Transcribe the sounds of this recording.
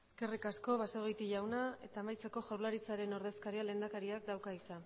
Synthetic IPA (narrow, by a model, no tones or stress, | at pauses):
eske̞rikasko̞βaseɣejt̪iʝawnae̞t̪aːmajt͡seko̞ʝawɾlaɾit͡saɾe̞no̞ɾðe̞skaɾiale̞ːnd̪akaɾiak̚d̪awkait͡sa